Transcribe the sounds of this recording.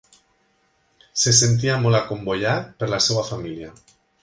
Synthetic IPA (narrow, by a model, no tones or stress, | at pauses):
ses̬e̞nt̪̬iamolako̞mboʎaɾpeɾlasewafamilja